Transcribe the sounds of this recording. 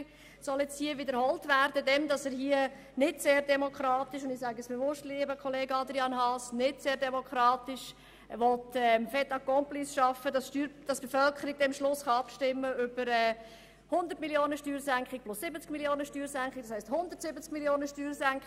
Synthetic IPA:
sɔljɛt͡sthiːəʋɪdəɾhɔltʋæɾdədɛmdɑsəːɾɦiə | nɪdseːɾdɛmokχɾɑːt̪ɪʃʊndɪsæɡəsb̥eʋʊstliːəbəkʰχɔleːɡəɑd̪ɾiɑnɦɑsnɪdseːɾdɛmɔkχɾɑːtɪʃ | ʋɔtɛmfɛtɑkːɔmplisʃɑfːədɑstyːɾd̥ɑsb̥efœlkəɾiɡ̥̚dɛmʃlʊsχɑɑpʃtɪmːəʏb̥əɾɛː | hʊnd̪əɾrtmiljoːnəʃtyːɾsæŋkχɪk̚plʊsːɪbət͡skmiljoːnəʃtyːɾsæŋkχɪk̚dɑshɛɪsthʊnd̪ərtsɪbət͡skmiljoːnəʃtyːɾsæŋk

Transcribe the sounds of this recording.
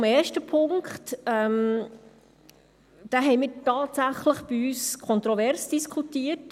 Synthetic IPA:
mɛːɾʃtəpʰʊŋkχtɛm | d̥aɦɛɪmiːɾtɑːtsæχləχb̥iyːskʰɔnt̪ɾɔvɛɾsd̥iskʰutiət

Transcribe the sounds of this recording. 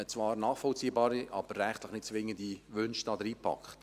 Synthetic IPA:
t͡svɑːɾnɑːχfɔlt͡siːəbɑːɾiʔɑb̥əɾːɛχtləχnɪt̚t͡sʋɪŋːəndiʋʏnʃdɑːd̪əɾiːpʰɑ̰kχt

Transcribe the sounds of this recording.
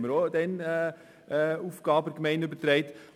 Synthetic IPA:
məɾod̪ɛn | uːfɡ̥ɑːbəkmɛɪnʏbəɾt̪ɾɛɪt

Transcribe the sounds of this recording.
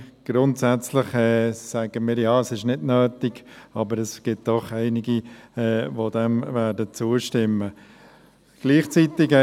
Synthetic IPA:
ɡ̥ɾʊntsæt͡slɪχɛːsæɡ̥əmiːɾjɑːəsɪʃnɪdnøːtɪɡ̥ɑbəɾɛsɡ̥ɪt̚d̥ɔχæɪnɪɡiɛːʋod̪ɛmvæːdət͡suəʃtɪmːə | ɡ̥liːχt͡sitɪɡɛ

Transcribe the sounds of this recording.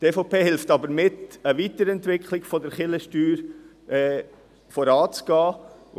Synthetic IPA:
teːfopeːhɪlftɑbəɾmɪtəvitəɾɛntvɪkʰχlɪɡ̥fɔdəɾχɪləʃtyːɾ | ʔɛː | fɔɾɑːt͡sɡ̥ɑː

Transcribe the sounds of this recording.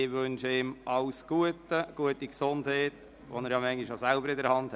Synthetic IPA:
ɪʋønʃəɪmʔɑʊsɡ̥uətəɡ̥uətiksondheːt | ʋɔnɛɾjɑmɛŋlɪʃjɑsælbəɾɪdəɾhɑnd̥ɛ

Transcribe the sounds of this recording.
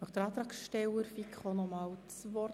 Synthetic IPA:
œχd̥̪əɾɑːt̪ɾɑːksʃtɛwəɾfikʰχonɔmɑːwt͡svɔ

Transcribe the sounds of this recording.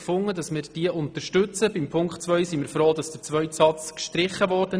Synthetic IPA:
fʊŋːədɑsmɪɾd̥iəʔʊnt̪əɾʃtɵt͡səbɪmpʰʊŋktt͡sʋœʏsimɪɾfɾoːd̥ɑsd̥əɾt͡sʋœʏtsɑt͡skʃtɾɪχːəʋɔːɾdə

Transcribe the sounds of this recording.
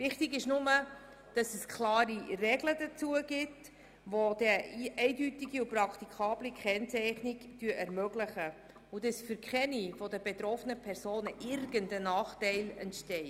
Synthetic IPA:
vɪχtiɡɪʃnʊmə | d̥ɑsɛskʰlɑːɾirɛɡlədət͡suəɡ̥ɪt | vod̥ɛɛɪdytiɡiuprɑkʰt̪ikʰɑːb̥likχɛnt͡sɛɪχniɡd̥yəʔɛɾmœɡləχə | udəsfyɾkχɛnifɔdəbet̪ɾɔfənəpʰɛɾsoːnəʔɪɾɡəndənɑːχtɛɪlɛ̰ntʃtɛɪ

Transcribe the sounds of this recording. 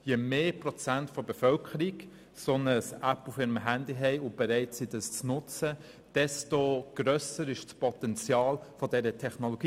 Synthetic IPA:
jemeːprɔt͡sæntfɔbefœlkʰəɾik | sɔnəsæpufɪɾəmɦændiɦɛɪʊb̥eɾɛɪtsidɑst͡snʊt͡sə | d̥ɛstoɡ̥ɾœsəɾɪʃspʰɔtɛnt͡sjɑːlfɔdɛɾətʰɛχnoloɡ̥iː

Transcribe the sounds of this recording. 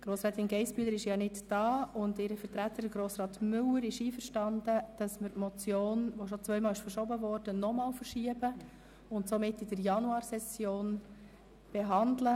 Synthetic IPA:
ɡ̥ɾoːsɾɛːt̪ɪnɡɛɪspyələɾɪʃjɑnɪddɑːʊndɪɾəfəɾtɾæt̪ːəɾɪɡɾoːsɾɑːtmʏləɾɪʃiːfəɾʃtɑndəd̥ɑsməɾtmɔt͡sjoːnʋoʃɔt͡sʋœʏmɑːlɪʃfəɾʃɔbəvɔɾd̥ənɔmɑːlfəɾʃiəbə | ʊntsomɪtːid̥əɾjɑnuɑːɾsɛsjoːn | b̥eɦɑndlə

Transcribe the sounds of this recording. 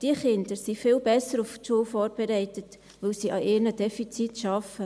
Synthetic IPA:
d̥iəχɪnd̪əɾsifɪlbɛsəɾufʃuəwfɔːɾb̥ɛɾɛɪtət | ʋɵlsiʔɑʔɪːɾnədɛfit͡sitʃɑfə

